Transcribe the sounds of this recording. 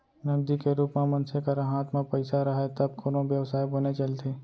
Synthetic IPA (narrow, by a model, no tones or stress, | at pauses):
nɐbd̪ikeɾuːpmẽmɐnsekɐɾãɦaːt̪mãpɐɪsaɾɐɦet̪ɐb̚koɾõbjɐʋsaːjbɐnet͡ʃɐlt̪ʰeː